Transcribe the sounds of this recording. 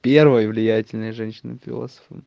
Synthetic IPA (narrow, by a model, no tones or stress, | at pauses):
pʲervəjəvlʲɪjætʲɪlʲnəjəʐɛnʲɕːɪnə̰fʲɪ̰lˠo̰sə̥fə̰m